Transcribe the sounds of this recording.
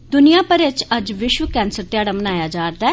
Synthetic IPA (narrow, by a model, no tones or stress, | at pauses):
d̪ʊnijaːpəɾɪt͡ʃəd͡ʒʋɪʃʋəkɛ̃ːnsəɾt̪eɪaːɽaːmənaːjaːd͡ʒaːɾd̪ɛː